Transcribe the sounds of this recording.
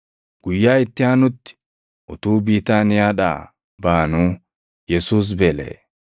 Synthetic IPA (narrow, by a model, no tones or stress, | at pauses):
ɡ̥ʊjːaːɪt̪ːɪjaːnʊt̪ːɪ̥ | ʔɔt̪uːbiːt̪aːnɪjaːɗa̰ː | baːnuː | jɛsuːs̬bɛlḛː